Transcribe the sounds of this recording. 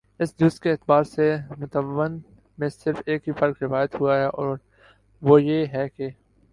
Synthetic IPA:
ɪsd̪uːst̪keːt̪baːɾsemʊt̪əʋən | mẽsɪɾfeːkɦifɐɾkɾɪʋaːjət̪ɦuaɦɛʔɔːɾ | ʋojeɦɛke

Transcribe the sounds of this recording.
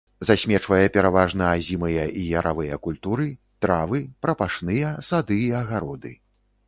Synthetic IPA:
zasʲmʲɛt͡ʂvɐjɛpʲɛɾavaʐnɐazʲimɨjɐʔijɐɾʔavɨjɐkulʲt̪uɾɨ | t̪ɾavɨpɾɐpaʂnɨjɐsad̪ɨiɐɣaɾɔd̪ɨ̰

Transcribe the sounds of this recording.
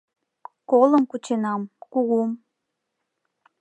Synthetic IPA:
koləmkut͡ɕenɑmkuɣum

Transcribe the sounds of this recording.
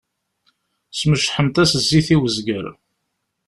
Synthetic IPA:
sməʃħəmt̪æsəzːiθiwəzɡəɾ

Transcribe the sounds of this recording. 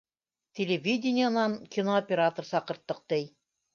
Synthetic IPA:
tʲelʲevʲidʲɪnʲɪjənɑŋkʲinoopʲɪɾat̪oɾsɑqɤ̆ɾt̪ːɤq̚t̪ɘj

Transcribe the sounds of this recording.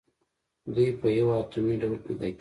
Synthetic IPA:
d̪ujpəjawat̪umiɖawlped̪ak

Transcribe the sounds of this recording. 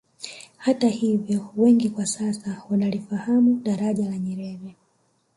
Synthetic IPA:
hatahivjɔwɛŋɡikwasasawanalifahamuɗaɾaʄalaɲɛɾɛɾɛ

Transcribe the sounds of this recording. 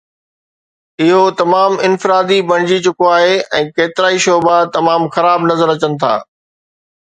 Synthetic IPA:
ɪɦot̪ɐmaːmɪnfɪɾaːd̪ibɐɽ̃ɪd͡ʑit͡ɕʊkoaːɦeɛ̃ːkeːt̪ɪɾaːiʃoːbat̪ɐmaːmxɐɾaːbnɐzəɾɐt͡ɕənɪ̆t̪ʰa̰ː

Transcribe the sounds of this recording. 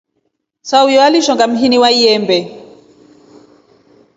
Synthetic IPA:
saujɔaliʃɔŋɡam̩ɦiniwaiɛmbɛ

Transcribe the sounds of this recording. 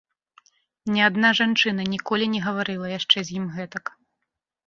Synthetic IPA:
nʲɛad̪naʐant͡ʂɨnɐnʲikɔlʲinʲɛɣɐvaɾɨlˠɐjaʂt͡ʂɛzʲjimɣɛt̪ɐk

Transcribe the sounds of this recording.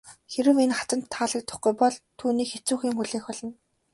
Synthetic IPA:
xeɾɘ̆wenχat̪ə̆n̥t̪ʰːaːɮə̆k̚t̪ʰːʊ̥χɡujpɔɮt̪ʰuːniːkxet͡suːxiːŋxuɮeːxɔɮɞ̆n

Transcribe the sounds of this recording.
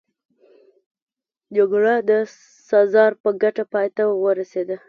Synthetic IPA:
d͡ʒaɡɽad̪ə | sɑzɑɾpəɡaʈapɑjt̪awəɾased̪ə

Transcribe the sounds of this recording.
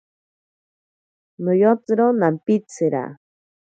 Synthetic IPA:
nojot͡sɾonampit͡sʰɨɾa̰

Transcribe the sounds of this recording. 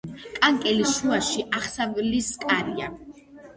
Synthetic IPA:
kʼaŋkʼɛliʃuaʃiʔaχsavliskʼaɾia̰

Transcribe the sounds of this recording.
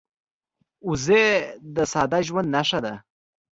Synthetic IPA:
uzed̪əsɑd̪aʒwand̪naʂad̪a

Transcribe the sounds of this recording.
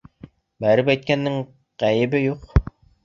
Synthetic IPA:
bæɾɘpæjt̪̚kænːɘŋ | qæjɘ̆bɘjuq

